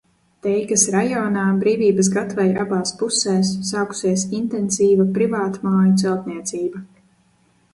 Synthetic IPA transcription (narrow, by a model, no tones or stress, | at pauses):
t̪ɛjkasɾajɔːnaːbɾiːvʲiːbəs̬ɡat̪vajɾabaːspusɛːsːaːku̥siɛsint̪ɛnsiːvapɾivaːt̪maːjut̪sɛlt̪niɛt̪siːbɐ